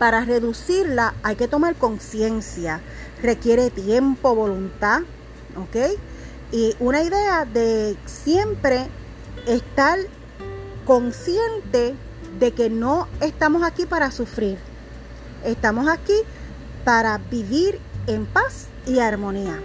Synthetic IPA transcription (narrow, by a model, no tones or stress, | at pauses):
paɾare̞ðusiɾlaajke̞t̪o̞maɾko̞ŋsje̞nsja | re̞kje̞ɾe̞t̪je̞mpo̞βo̞lunt̪a | o̞ke̞j | iʔunaiðe̞aðe̞sje̞mpɾe̞ | est̪aɾ | ko̞ŋsje̞nt̪e̞ | ðe̞ke̞no̞e̞st̪amo̞sakipaɾasufɾiɾ | e̞st̪amo̞saki | paɾabiβiɾe̞mpas | iaɾmõ̞nia